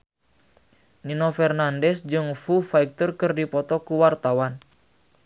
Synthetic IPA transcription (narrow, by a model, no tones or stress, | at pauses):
ninofɛrnandɛsd͡ʒɨŋfufaik̚t̪ɔrkɨrdipɔt̪ɔkuwart̪awan